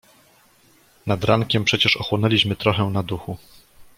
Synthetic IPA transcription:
nad̪ɾaŋkʲɛmpʂɛt͡ɕɛʂɔxwɔnɛlʲiɕmɘt̪ɾɔxɛnad̪uxu

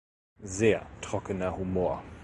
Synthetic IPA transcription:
zeːɐtʁ̥ɔkənɐhumoːɐ

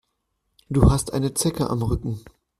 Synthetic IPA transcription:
d̥uːhastʔa̰ɪnət͡sɛkəʔa̰mʁʏkŋ̩

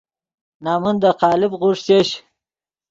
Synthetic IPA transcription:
nɑːmund̪əqɑːlɪbʁuʂseɕ

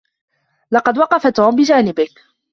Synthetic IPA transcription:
lɑqɑd̪wɑqɑfat̪uːmbɪd͡ʒaːnɪbɪk

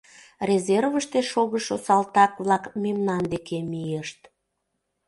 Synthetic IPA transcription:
rʲezervəʃt̪eʃoɣəʃosɑlt̪ɑkβlɑkmemnɑnd̪ekemijeʃt̪

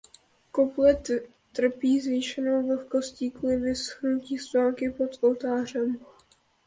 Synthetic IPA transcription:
koplɛt̪ | t̪r̩piːzviːʃɛnowv̩xko̞sciːkuːlɪvɪsxnuciːst̪aːlkɪpo̞t̪ʔolt̪aːr̝ɛm

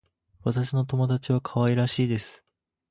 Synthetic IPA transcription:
βat̪aɕino̞t̪o̞mo̞d̪at͡ɕiβakʰaβaiɾaɕiːd̪e̞sɨ̥

